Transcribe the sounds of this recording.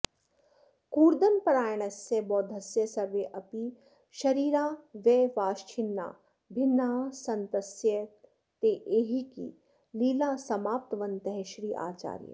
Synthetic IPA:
kuːɾd̪ɐnpɐɾaːjɳ̃ɐsjɐbɔːd̪ʱɐsjɐsɐɾʋeʔɐpi | ʃɐɾiːɾaːʋeːʋaːʃt͡ʃʰɪnːa̰ː | bʱɪnːaːsɐnt̪ɐsjə | t̪eːʔeːɦikḭ | liːlaːsɐmaːp̚t̪ɐʋɐnt̪ɐɦɛʃɾiːʔa̰ːt͡ʃa̰ːɾjɐ̰

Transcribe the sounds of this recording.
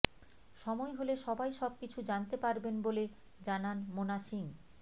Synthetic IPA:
ʃɔmɔeɦoleʃɔbajʃɔb̚kit͡ɕʰud͡ʑant̪epaɾbenbole | d͡ʑananmonaʃiŋ

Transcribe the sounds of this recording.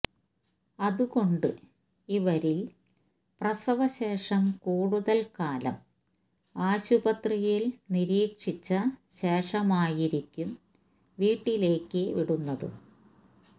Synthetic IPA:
ɐðuɣo̞ɳɖɨ | iʋɐɾil | prɐsɐʋɐɕe̞ːʂɐmkuːɻuðɐlkaːlɐ̰m | aːɕubɐt̪rijilniɾiːkʂit͡ɕːɐɕeːʂɐmaːjiɾikʲːum | ʋiːʈːile̞ːkːɨʋiɽunːɐðɨ̰

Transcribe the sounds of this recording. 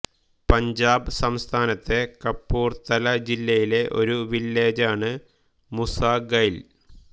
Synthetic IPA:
pɐɲd͡ʑaːbɨsɐmst̪ʰaːnɐt̪ːe̞kɐpːuːrt̪ɐlɐd͡ʑilːɐjile̞ʔo̞̰ɾuʋilːe̞ːd͡ʑaːɳɨ | musaːɡɐjil

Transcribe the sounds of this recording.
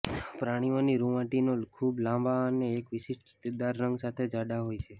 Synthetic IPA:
pɾaɽ̃ioniɾuʋãʈinokʰublãmbaəneːkʋɪʃɪʃ | t̪id̪aɾːəŋɡsat̪ʰed͡ʒaɖaɦojt͡ʃʰe

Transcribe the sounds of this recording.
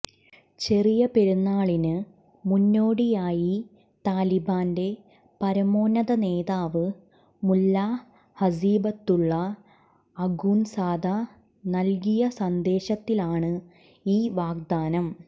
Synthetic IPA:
t͡ɕe̞rijɐpe̞ɾunːaːɭinɨ | munːo̞ːɽijaːji | t̪aːlibaːnde̞ | pɐɾɐmoːnɐðɐne̞ːðaːʋɨ | mulːa | hɐsiːbɐt̪ːuɭːɐː | ɡuːnsaːd̪ʱɐ | nɐlkijɐsɐnd̪e̞ːɕɐt̪ːilaːɳɨ | iːʋaːɡ̚d̪aːnɐm

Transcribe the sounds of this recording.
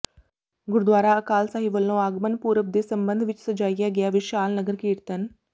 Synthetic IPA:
ɡʊɾd̪ʋaːɾaɐkaːlsaːɦiʋəlːõaːɡmənpuːɾəp̚d̪esɐmbənd̪ʱʋɪt͡ʃsɐd͡ʒaːijaɡɐjaʋɪʃaːlnəɡəɾkiːɾt̪ən

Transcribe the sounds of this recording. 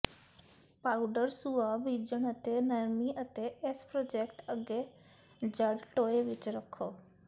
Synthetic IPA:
paːuɖəɾsuːaːbiːd͡ʒəɳət̪eːnəɾmiːʔət̪eːʔɪspɾoːd͡ʒɛːkʈəɡːeː | d͡ʒəɖʈoːeːʋɪt͡ʃɾəkʰːoː

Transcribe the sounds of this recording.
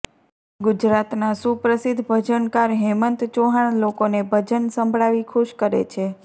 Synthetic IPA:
ɡʊd͡ʒɾat̪nasupɾəsɪd̪ʱːbʱəd͡ʒənkaɾɦɛmənt̪t͡ʃoɦaɳ̃lokonebʱəd͡ʒənsə̃mbʱɭaʋikʰuʃkəɾḛt͡ʃʰe

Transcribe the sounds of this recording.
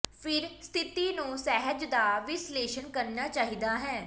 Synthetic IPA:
pʰɪɾst̪ʰɪt̪iːnũːsɛɦəd͡ʒd̪aːʋɪsleːʃənkəɾnaːt͡ʃaːɦiːd̪aːɦɛː

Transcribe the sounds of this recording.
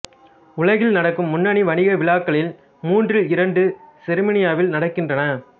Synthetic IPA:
ʊɭɐɣɪlnɐɽɐkːɯmːʊnːɐɳiʋɐɳɪɣɐʋɪlaːkːɐɭɪl | muːndrɯɪɾɐɳɖɯsɪɾɯmɐnɪjaːʋɪlnɐɽɐkːɪndrɐnɐ

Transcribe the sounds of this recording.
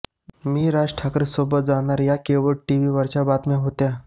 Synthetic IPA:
miːɾad͡ʑʈʰakɾəsobət̪̚d͡zaɽ̃aɾjakeʋəɽʈiʋiːʋəɾt͡ɕabat̪mjãɦot̪ja

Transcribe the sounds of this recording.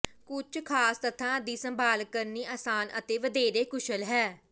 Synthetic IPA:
kʊt͡ʃʰkʰaːst̪ət̪ʰãːd̪iːsəmbaːlkəɾniːʔaːsaːnə̰t̪eːʋəd̪eːɾeːkʊʃəlɦɛː

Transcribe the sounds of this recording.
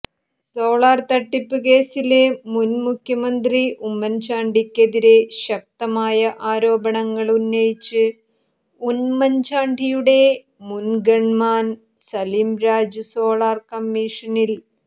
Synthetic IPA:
soːɭaːrt̪ɐʈːipːɨk̬e̞ːsile̞munmukʰjɐmɐnd̪riumːɐɲd͡ʑaːɳɖʱikʲːeðiɾe̞ɕɐk̚t̪ɐmaːjɐʔaːɾo̞ːbɐɳɐŋːɐɭunːɐjit͡ɕːɨ | unmɐɲd͡ʑaːɳɖʱijuɽe̞ | munɡeɳmaːn | sɐliːmɾaːd͡ʑɨso̞ːɭaːrkɐmːiʂɐnil

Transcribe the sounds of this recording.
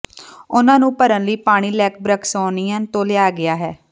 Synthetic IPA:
ʊnãːnũːpəɾənləiːpaːɽ̃iːlɛːk̚bɾəkʰsɔːniːãːnt̪õːlɪaːɡɪaːɦɛː

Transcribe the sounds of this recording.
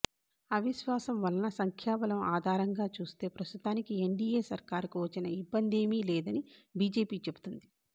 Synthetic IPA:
ɐʋiʃʋaːsɐmʋɐlɐnɐsɐŋkʰjaːbɐlɐmaːd̪ʱaːɾɐŋɡaːt͡ʃuːst̪e̞ːpɾɐst̪ut̪aːnikie̞ɳɖiːeːsɐɾkaːɾkuʋɐt͡ʃinɐibːɐnd̪e̞ːmiːlɛːd̪ɐnibiːd͡ʒe̞ːpiːt͡ʃe̞bu̥t̪und̪i

